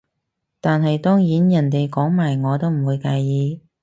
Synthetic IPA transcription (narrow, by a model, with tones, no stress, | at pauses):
t̪aː˨nɦɐ˨jt̪ɔː˥ŋjiː˨˥njɐ˨˩nt̪e˨jkɔː˨˥ŋmaː˨˩jŋɔː˨˧t̪o˥wm̩˨˩wuː˨˧jkaː˧jjiː˨˧